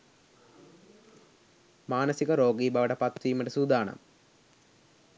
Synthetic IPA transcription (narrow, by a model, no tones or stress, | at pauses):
maːnɐsiɡɐɾoːɡiːbɐʋɐɽɐpɐt̪ʋiːmɐɖɐsuːd̪aːɳɐ̰m